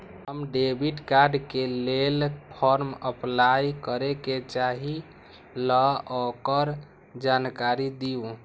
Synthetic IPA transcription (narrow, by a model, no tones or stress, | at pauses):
ɦəmɖebʱiʈkaɾɖkelelpʰɔɾməplajkəɾeket͡ʃaɦi | lɔɔkəɾ | d͡ʒankaɾid̪iũ